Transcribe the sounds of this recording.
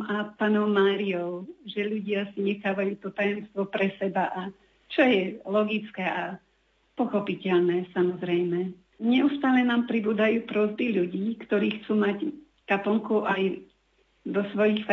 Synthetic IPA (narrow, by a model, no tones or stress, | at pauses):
apaːnɔʊmaːɾiɔʊʒɛʎuɟɪasiɲɛxaːʋajuːt̪ɔt̪ajɔmst̪ʋɔpɾɛsɛbaʔa | t͡ʃɔjɛlɔɡit͡skɛːʔa | pɔxɔpicɛʎnɛːsamɔzɾɛjmɛ | ɲɛust̪aːlɛnaːmpɾibuːd̪ajuːpɾɔzbiʎuɟiːkt̪ɔɾiːxt͡suːmac | kapɔŋkuʔaj | d̪ɔsʋɔjixf